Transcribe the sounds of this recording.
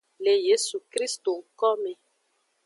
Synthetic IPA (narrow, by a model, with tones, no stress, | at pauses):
le˨je˦su˨kɾi˦st̪o˨ŋ̩˨˦kɔ˦me˨